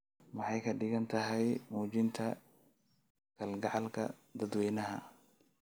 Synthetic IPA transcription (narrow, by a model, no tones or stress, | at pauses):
mɑħɑjkʰɐɖɪɣɐnt̪ʰɐɦɛjmuːt͡ʃɪnt̪ʰɐ | kʰɐlɡɑʕɑlkʰɐ̰d̪ɐd̪wɛːjnɐɦɐ̰